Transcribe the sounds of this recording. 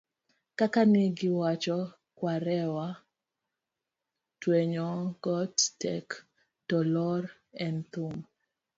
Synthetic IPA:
kakanɪɡɪwat͡ʃɔ | kwaɾɛwa | tweɲɔɡɔttɛk | tɔlɔɾ | ɛnt̪um

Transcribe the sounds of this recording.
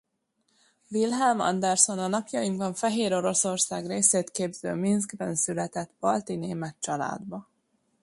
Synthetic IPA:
vilɦɛlmɒ̰nd̪ɛrso̞nɒnɒpjɒjimkɒɱfɛɦeːɾo̞ɾo̞so̞rsaːɡreːseːt̪keːbz̥ø̰ːminsɡbɛnsylɛt̪ɛt̪b̥ɒlt̪ineːmɛt̪t͡ʃɒla̰ːd̪bɒ

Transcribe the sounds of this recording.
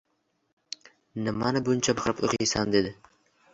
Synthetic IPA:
nɪmanɪbʊnt͡ʃʰabɑqɾɪpo̰qijsand̪ed̪ɪ

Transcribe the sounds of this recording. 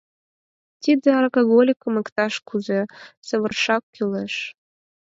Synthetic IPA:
t̪id̪ə̆ɑrkoɣolʲikəmə̆kt̪ɑʃkʰuzesə̆βə̆rʃɑkːyleʃ

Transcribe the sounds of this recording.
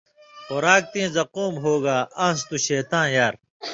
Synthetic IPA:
xʊɾaːk̚t̪ẽːzɐqoːmɦoːɡaːɐ̃st̪uɕeːt̪ãːnjaːɾ

